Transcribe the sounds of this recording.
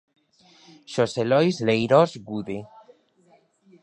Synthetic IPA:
ʃoselojzlejɾozɡuðe

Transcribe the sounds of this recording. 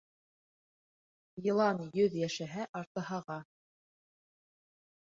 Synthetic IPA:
jɤ̆lˠɑnjɵðjæʃæɦæʔɑɾt̪ɤ̆hɑʁɑ

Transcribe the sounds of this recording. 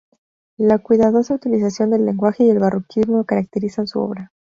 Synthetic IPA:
lakwiðað̞o̞saut̪ilis̬asjo̞nd̪e̞lːe̞ŋɡwaxe̞ie̞lβarokʰizmookaɾak̚t̪eɾisansuo̞̰βɾa

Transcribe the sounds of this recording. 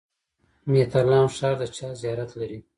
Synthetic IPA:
met̪aɾlɑmʃɑːɾd̪ət͡ʃɑzijɑɾat̪laɾi

